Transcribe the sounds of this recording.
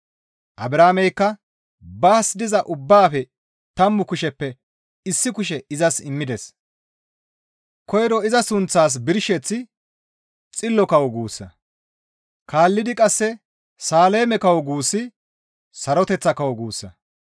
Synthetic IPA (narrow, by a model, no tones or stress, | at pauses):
ʔɐbɾaːmɛjkːɐ | baːsd̪ɪzɐʔʊbːaːfɛ | t̪ɐmːʊkʊʃɛpːɛ | ɪsːɪkʊʃ̬ɛɪzɐsɪmːɪd̪ɛs | kɔjɾɔɪzɐsʊnt͡sːaːs̬bɪɾʃɛt͡sːɪ | t͡sʼɪlːɔkɐwɔɡuːsːɐ̰ | kʰaːlːɪd̪ɪkʼɐsːɛ | saːle̞ːmɛkɐwɔɡuːsːɪ | sɐɾɔt̪ɛt͡sːɐkɐwɔɡuːsːɐ̰